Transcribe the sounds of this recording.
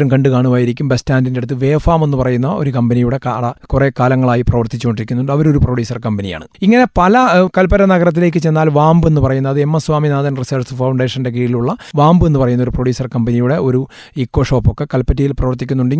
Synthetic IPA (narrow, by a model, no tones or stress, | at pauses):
ɾumkɐɳɖɨkaːɳuʋaːjiɾikʲːumbestaːndinde̞ɽut̪ːɨʋe̞ːfaːme̞nːɨpɐrɐjunːɐoɾukɐmbɐnijuɽe̞kːɽɐkure̞ːkaːlɐŋːɐɭaːjiprɐʋɐrt̪it͡ɕːukoɳɖiɾikʲːunːuɳɖɐʋɐɾo̞ɾuproɽjuːsɐrkɐmbɐnija̰ːɳɨiŋːɐne̞pɐlɐkɐlpɐɾɐnɐɣɐɾɐt̪̬ːile̞ːkːɨt͡ɕe̞nːaːlʋaːmbɨenːɨpɐrɐjunːɐðɨemːɐsʋaːminaːd̪ɐnrisɐrsɨfɐwɳɖe̞ːʂɐnde̞k̬iːiluɭːɐʋaːmbɨe̞nːɨpɐrɐjunːɐo̞ɾuproɽjuːsɐrkɐmbɐnijuɽe̞o̞ɾu | ikːo̞ːʂo̞ːpːokːe̞kɐlpːɐtːijilprɐʋɐrt̪ikʲːunːuɳɖi